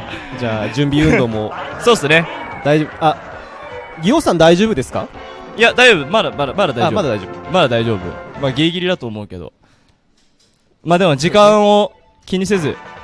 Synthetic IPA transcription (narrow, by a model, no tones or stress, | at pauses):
d͡ʑaːd͡ʑɨ̃mbʲiɯ̟̃nd̪o̞moso̞ːsɨne̞d̪aioːbɯa | ɡʲio̞ːsãnd̪aiʑoːbɯ̟d̪e̞sɨ̥ka̰jad̪aiʑo̞ːbɯmad̪amad̪amad̪ad̪aiomad̪ad̪aid͡ʑobmad̪ad̪aiʑo̞ːbɯ̰maɡʲeːɡʲiɾʲid̪at̪oːmo̞ɯ̟ke̞d̪o̰ | maːd̪e̞mod͡ʑikãɰ̃o̞ | kʲiɲ̟is̬e̞zɨ